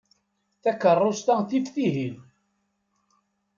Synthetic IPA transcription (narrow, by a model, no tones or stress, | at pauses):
θækərˤːost̪æθifθiɦil